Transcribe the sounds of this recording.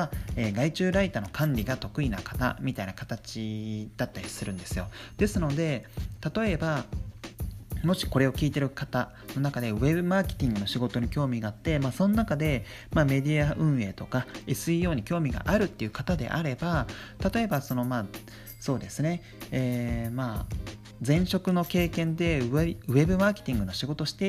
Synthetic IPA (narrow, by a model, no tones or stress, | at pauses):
aeːɡait͡ɕɨːɾait̪ano̞kʰãnɾʲiɡat̪o̞kɯ̟inakḁt̪a̰mʲit̪ainakat̪at͡ɕid̪̥at̪ːaɾʲisɨɾɯ̟̃nd̪e̞sɨjo̞d̪̥e̞sɨno̞d̪e̞t̪at̪o̞e̞ba | mo̞ɕi̥ko̞ɾe̞o̞kʲiːt̪e̞ɾɯ̟kat̪a | no̞nakad̪e̞βe̞bɯ̟maːkʲe̞̥t̪ʲĩŋɡɯ̟no̞ɕiɡo̞t̪o̞ɲ̟ikʲo̞ːmʲiɡaːt̪ːe̞maso̞nonakad̪e̞ | mame̞d̪ʲiaʔɯ̟̃ɰ̃e̞ːt̪o̞kaesɨijo̞ːɲ̟ikʲo̞ːmʲiɡa̰ʔaɾɯ̟t̪ːeiɯ̟kat̪ad̪e̞̰ʔa̰ɾe̞bat̪at̪o̞e̞baso̞no̞maː | so̞ːd̪e̞sɨne̞ | eːma | d͡zẽ̞ɰ̃ɕo̞kɯ̟no̞ke̞ːkẽ̞nd̪e̞ɯ̟βe̞bɯ̟maːke̥t̪ʲĩŋɡɯ̟no̞ɕiɡo̞t̪o̞ɕi̥t̪e̞